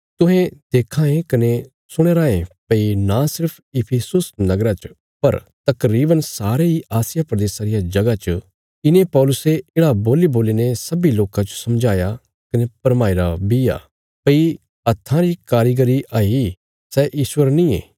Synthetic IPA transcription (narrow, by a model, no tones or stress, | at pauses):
t̪ʊ̃ɦẽd̪̥eːkʰãːẽkɐne | sʊɽ̃eːɾãːẽpɐinasɪɾpʰɪpʰesʊsnɐɡɾat͡ʃ | pɐɾ | t̪ɐkɾiːbənsaːɾeiaːsɪjapɾɐd̪eːsaɾɪjad͡ʒɐɡat͡ʃ | ɪnẽpɔːlʊseeːɽaboːliboːlinesɐbiloːkãt͡ʃosɐmd͡ʒaːja | kɐnepɐɾmaːiɾabija̰ː | pɐi | ɐt̪ʰːãɾikaːɾiɡəɾiʔaːi | sɛʔiːʃwəɾnĩḛ̃ː